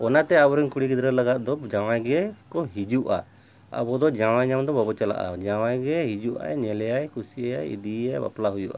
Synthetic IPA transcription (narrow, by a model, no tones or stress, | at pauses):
ɔnat̪ɛabɔɾɛŋkuɽiɡid̪ɾələɡat̪̚d̪ɔd͡ʒaw̃ajɡɛkɔɦid͡ʒuʔa̰ | a̰bɔd̪ɔd͡ʒaw̃ajɲamd̪ɔbɔbɔt͡ʃala̰ʔa̰d͡ʒawajɡɛɦid͡ʒuʔa̰jɲɛlɛjajkʰusiɛjajḭd̪iajba̰plaɦujuʔa̰